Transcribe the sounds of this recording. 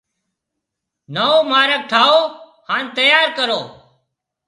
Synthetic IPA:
nəoːmaːɾək̚ʈʰaːoː | haːnt̪əjaːɾkəɾoː

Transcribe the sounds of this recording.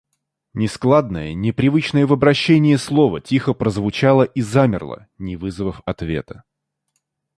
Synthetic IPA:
nʲɪsklˠad̪nəjənʲɪpɾʲɪvɨt͡ɕnəjəvəbɾɐɕːenʲɪjəslˠo̞vətʲixəpɾəzvʊt͡ɕalˠəʔizamʲɪ̰rlˠə̰ | nʲɪvɨzəvəfɐt̪vʲe̞̰t̪ə̥

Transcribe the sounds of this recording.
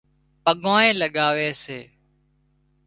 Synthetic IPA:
pəɠãːẽːləɠaːʋeːseː

